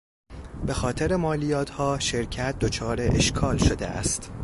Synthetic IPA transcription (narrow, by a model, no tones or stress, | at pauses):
b̥e̞xɒːt̪ʰe̞ɾe̞mɒːlijɒːt̪ʰhɒːʃeɾcʰæt̪̚ʰd̪ot͡ʃʰɒːɾeʔeʃkʰɒːlʃo̞d̪ḛʔæ̰st̪